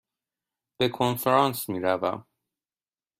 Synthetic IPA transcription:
b̥ekʰonfeɾɒːnsmiːɾævæ̰m

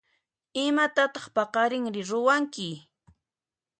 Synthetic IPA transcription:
ɪmat̪at̪ɑχpɑqɑɾɪŋɾɪɾʊwaŋkɪ

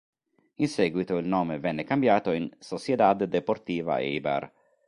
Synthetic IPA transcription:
insɛːɡwit̪oilnɔːmevɛnːekambjaːt̪oinsosjed̪ad̪d̪epoɾt̪iːva̰ḛiba̰r

